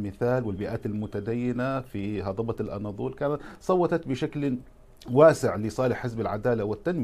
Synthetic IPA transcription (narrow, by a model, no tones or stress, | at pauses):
mɪθaːlwɪlbɪʔaːt̪almʊt̪ad̪ajːɪnafiɦɑd̪ˤɑbɑlʔɑ̰nɑd̪ˤuːlkaːnat̪sˤɑwːɑt̪ɑt̪bɪʃakl | waːsɪʕlɪsˤɑːlɪħːɪsbalʕad̪aːlawɪt̪ːanm